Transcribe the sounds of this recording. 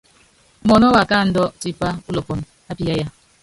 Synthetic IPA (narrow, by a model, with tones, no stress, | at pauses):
mɔ˨nɔ˦wa˨ka˦˨n̩˦dɔ˦ti˦pa˦u˦lɔ˨pɔ˨n | a˦pi˨ja˦ja˦